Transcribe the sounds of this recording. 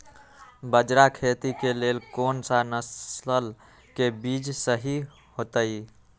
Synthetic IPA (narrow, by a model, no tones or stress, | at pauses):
bəd͡ʒɾakʰet̪ikelelkonsanəsəl | kebid͡ʒsəɦi | hot̪əj